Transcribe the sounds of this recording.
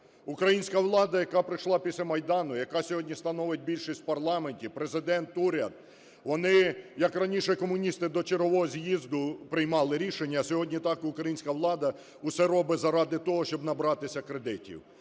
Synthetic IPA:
ʊkɾɐjinʲsʲkɐʋlˠɑd̪ɐjɐkɑpɾɪʃlˠɑpʲisʲlʲɐmɐjd̪ɑnʊjɐkɑsʲɔɦɔdʲnʲist̪ɐnɔʋet̚ʲbʲilʲʃisʲpɐrlˠɑmenʲtʲipɾezɪd̪ɛnt̪uɾʲad̪̚ | ʋɔnɪjɐkrɐnʲiʃɛkɔmʊnʲist̪ɪd̪ɔt͡ʃeɾɦɔʋɔɦɔzʲjizd̪ʊpɾɪjmɑlˠɪɾʲiʃenʲːɐsʲɔɦɔdʲnʲit̪ɑkʊkɾɐjinʲsʲkɐʋlˠɑd̪ɐ | ʊsɛɾɔbɪzɐɾɑd̪ɪt̪ɔɦɔʃt͡ʃɔbnɐbɾɑt̪ɪsʲɐkɾed̪ɪtʲḭw

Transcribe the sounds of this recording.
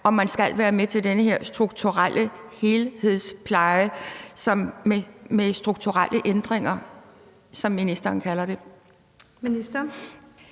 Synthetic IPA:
ɒ̽mænsɡ̥ælʋæːɐmet͡sʰe̝ld̥enəhe̝ɐ̰sd̥ʁuɡ̥̚t͡sʰuʁal̰ʔəhe̝lhe̝ð̰ˠspʰlɑ̈ɪəsɒ̽memesd̥ʁuɡ̥̚t͡sʰuʁalʔəʔend̥ʁeŋ̰ɐ | sɒ̽mːinisd̥ɐːnkʰælɐɾ̥e̝ | minisd̥ɐ

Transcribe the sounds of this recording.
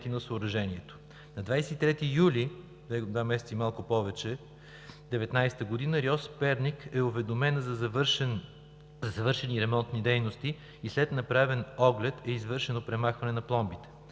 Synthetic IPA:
t̪inɐsoːɾɐʒɛniɛt̪o̥ | nɐd̪vajsɛt̪it̪ɾɛt̪iːjuli | d̪vɛd̪vamɛsɛt̪simalˠkʊpɔvɛt͡ʃɛ | d̪ɛvɛt̪najst̪əɡod̪inəɾjɔspɛɾnʲikɛʊvɛd̪omɛnzɐzɐvɾʃn | zɐzɐvɤɾʃɛniɾɛmɔnt̪nid̪ɛjnost̪i | islɛt̪nɐpɾavɛnɔɡlɛt̪ɛizvɤɾʃɛnopɾɛmaxvɐnɛnɐplˠɔmbit̪ɛ̥

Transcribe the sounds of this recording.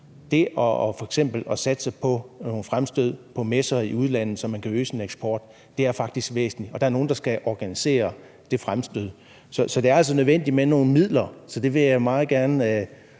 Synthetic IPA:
d̥e̝ʔɒfɒ̽eɡ̥sem̰b̥l̩ɒsæd̥ə̥sɑ̈ɪpʰɒ̽no̝ːn̩fʁamsd̥øð̞̰ˠpʰɒ̽mesɐiuð̞̩ˠlæn̰ð̩ˠsɒ̽mænkʰæøːsineɡ̥sb̥ɒːd̥ː | e̝æɐfɑ̈ɡ̥̚d̥isɡ̥ʋḛːsn̩liɒ̽d̥ɑ̈æɐno̝ːn̩d̥ɑ̈sɡ̥æʔɒɡ̥ænise̝̰ːɐ | d̥e̝fʁamsd̥øð̰ˠ | sɒ̽sɒ̽d̥̝ɐæl̰s̬ɒ̽nøð̞ˠʋen̰d̥imeno̝ːn̩mið̰ˠlɐsɒ̽d̥e̝ʋe̝jamɑ̈ːð̩ˠɡ̥æɐn

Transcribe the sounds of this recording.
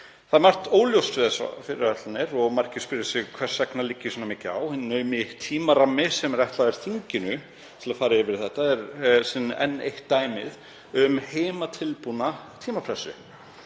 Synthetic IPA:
θaðmar̥t̪oːwljowsɪðasfɪɾɪ̰ɾvɛt̪lanɪɾɔɣmaɾ̥cɪ̥spɪɾʏsɪɣkʰvɛ̥sɛknalicːɪsɔnamɪːcɪa̰whɪnnœːɥmɪht̪ʰːiːmaɾamːɪsɛmɛɾɛht̪laðɛɾ̥θiɲcɪnʏ | t̪ʰɪlafaːɾɪjɪvɪɾ̥θɛht̪aɛɾsɪnʔɛ̰nːḛjht̪ːaːjmɪð | ʏmheːjmat̪ʰɪlpunat̪ʰiːmapʰɾɛsʏ̰

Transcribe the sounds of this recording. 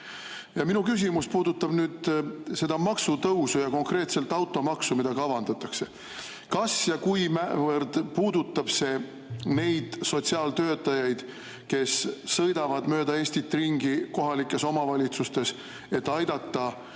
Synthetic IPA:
jɑminukys̬ʲimuspuːd̪ut̪ːˑɑb̥nyːd̪̥se̞d̪̥ɑmɑksut̪ɤwsujɑko̞ŋkre̞ːt̪se̞lt̪ːˑɑwt̪ːˑo̞mɑksumid̪ɑɡɑɑvɑnd̪ɑt̪ːˑɑkse̞ | kɑsjɑkujmævɤrd̪̥puːd̪ut̪ːˑɑb̥se̞ | ne̞jd̪̥so̞t̪ʲsiɑːlt̪øːt̪ːˑɑjɑjd̪̥ | ke̞sːɤjd̪ɑvɑd̪mø̞ːd̪ɑe̞ːsʲt̪it̪ːˑriŋɡiko̞ɦɑlikːˑe̞so̞mɑvɑlʲit̪sust̪e̞s | e̞t̪ːˑɑjd̪ɑt̪ːɑ

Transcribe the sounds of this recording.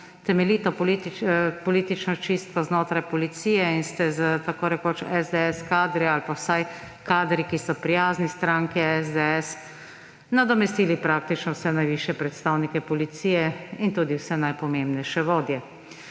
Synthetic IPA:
t̪ɛmɛliːt̪ɔpɔlit̪pɔliːt̪it͡ʃnɔt͡ʃist̪kɔznoːt̪ɾajpɔlit̪siːjɛinst̪ɛzət̪akoːɾɛkoːt͡ʃɛzd̪ɛɛskaːd̪ɾɛalpawsaj | kaːd̪ɾikisɔpɾijaːznist̪ɾãːŋkiɛzd̪ɛɛs | nad̪ɔmɛst̪iːlipɾaːkt̪it͡ʃnɔwsɛnajʋiːʃjɛpɾɛt̪st̪aːwnikɛpɔlit̪siːjɛint̪uːd̪iwsɛnajpɔmembnɛjʃɛʋoːd̪jɛ

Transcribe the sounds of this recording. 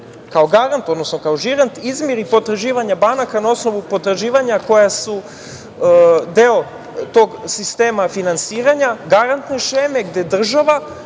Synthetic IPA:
kao̞ɡaɾant̪o̞d̪nosnokaoʒiɾant̪izmjeɾipo̞t̪ɾaʒiːʋaɲabanakanao̞sno̞ʋupo̞t̪ɾaʒiːʋaɲako̞jasu | d̪eo | t̪o̞ɡsist̪e̞ːmafinansiːɾaɲaɡaɾant̪ne̞ʃeme̞ɡd̪e̞d̪r̩ʒaʋa

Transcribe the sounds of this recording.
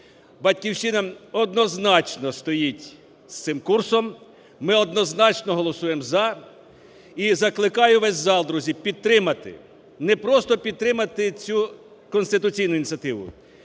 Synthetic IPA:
bɐtʲkʲiwʃɪnɐɔd̪nɔznɑt͡ʃnɔst̪ɔjitʲ | st̪sɪmkursɔmː | ɪɔd̪nɔznɑt͡ʃnɔɦɔlˠɔsujemzɐ | izɐklˠɪkɑjʊʋɛzʲzɑlˠd̪ɾuzʲipʲid̪̚t̪ɾɪmɐt̪ɪ̰ | nɛpɾɔst̪ɔpʲid̪̚t̪ɾɪmɐt̪ɪt͡sʲu | kɔnst̪ɪt̪ʊt͡sʲijnʊinʲt͡sʲɐt̪ɪʋʊ̰

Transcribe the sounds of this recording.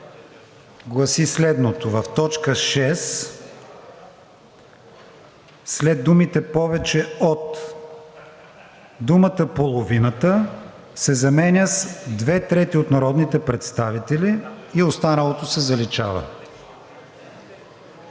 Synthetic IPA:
ɡlˠɐsislɛd̪not̪ovəft̪ɔt͡ʃkəʃɛs | slɛd̪umit̪ɛpɔvɛt͡ʃɛot̪ | d̪umət̪əpolˠovinət̪ə | sɛzɐmɛnʲəsd̪vɛt̪ɾɛt̪iot̪nɐɾɔd̪nit̪ɛpɾɛt̪st̪avit̪ɛliiost̪anəlˠot̪osɛzɐlit͡ʃa̰və̰

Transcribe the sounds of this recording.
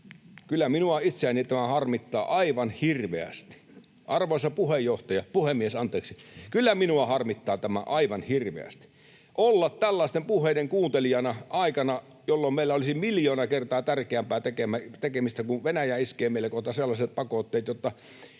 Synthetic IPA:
kylːæminuɑit̪seænit̪æmæhɑrmit̪ːɑːʔɑiʋɑnhirʋeæ̰st̪i̥ | ʔɑrʋoˑesɑpuhejˑoht̪ɑjɑpuhemːiesɑnt̪ˑeːksikylːæminuɑhɑrmit̪ːɑːt̪æmæ̰ʔɑiʋɑnhirʋḛæ̰st̪i̥ | ʔolːɑt̪t̪ælːɑˑest̪empuhˑeˑideŋkuːnt̪elijɑnɑʔɑˑikɑnɑ | jolːommeˑilːæolisimiljoːnɑkert̪ɑːt̪ærkeæmpæːt̪ekemæt̪ekemist̪ækuʋʋenæjæːiskeːmeˑilːækoht̪ɑselːɑset̪̚pɑkot̪ːeˑːt̪jot̪ːɑ

